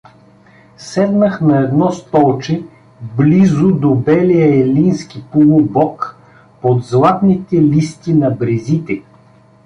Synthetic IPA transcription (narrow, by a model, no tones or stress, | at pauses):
sɛd̪nəxnɐɛd̪nɔst̪ɔlˠt͡ʃɛ | blizʊd̪obɛlijəɛlinskipolˠʊbɔk | pod̪zlˠat̪nit̪ɛlist̪inɐbɾɛzit̪ɛ